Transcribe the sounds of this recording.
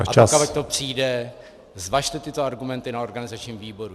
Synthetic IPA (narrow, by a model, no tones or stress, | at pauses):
aaakavac̚t̪opr̝̥iːdɛ | zvaʃt̪ɛt̪ɪt̪oaɾɡumɛnt̪ɪnao̞ɾɡanɪzat͡ʃɲiːmviːbo̞ɾu